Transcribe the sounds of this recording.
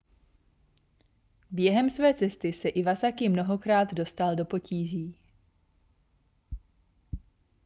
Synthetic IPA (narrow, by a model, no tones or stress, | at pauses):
bjɛɦɛmsvɛːt͡sɛst̪ɪsɛʔɪvasakɪmno̞ɦo̞kɾaːd̪do̞st̪aldo̞po̞ciːʒiː